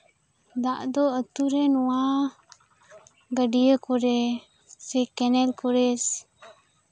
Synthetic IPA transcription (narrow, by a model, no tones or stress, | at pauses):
d̪aʔd̪ɔət̪uɾɛnɔwa | ɡəɖijəkɔɾɛ | sɛkɛnɛlkɔɾɛs